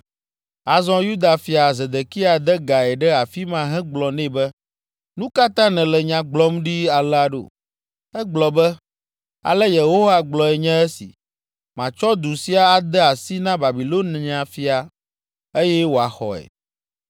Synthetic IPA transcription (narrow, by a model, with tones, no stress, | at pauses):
a˨zɔ̃˦ju˦d̪a˨fi˨a˨zɛ˨d̪e˨ki˦a˨d̪ɛ˦ɡa˨ɛ˨ɖɛ˦a˨fi˦mã˨ɦɛ̃˦ɡ͡blɔ˨nɛ̃˦˨bɛ˦ | nũ˦ka˦t̪ã˦nɛ̃˨lɛ˨ɲã˨ɡ͡blɔ˦m˦ɖi˦a˨lɛ˦a˨ɖo̰˨ | ɛ˦ɡ͡blɔ˨bɛ˦ | a̰˨lɛ˦je˨ɦo˦va˨ɡ͡blɔ˨ɛ˨ɲɛ̃˦ɛ˦sḭ˨ | mã˨t͡ʃɔ˦d̪u˨si˦a˦a˦d̪ɛ˦a˨si˦nã˦ba˨bi˨lo˦nɛ̃˨ã˨fi˨a˨ | e˦jɛ˦wo˨a˨xɔ̰˨ɛ̰˨